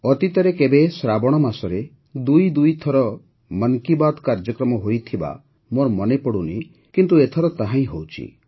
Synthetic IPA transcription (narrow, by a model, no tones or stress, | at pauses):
ɔt̪it̪ɔɾekebesɾabɔɽ̃ɔmasɔɾe | d̪ujd̪ujt̪ʰɔɾɔ | məŋkibad̪kaɾd͡ʒɔkɾɔmɔɦojt̪ʰiba̰ | moɾɔmɔnepɔɽunḭ | kint̪uet̪ʰɔɾɔt̪aɦãĩɦowt͡ʃʰḭ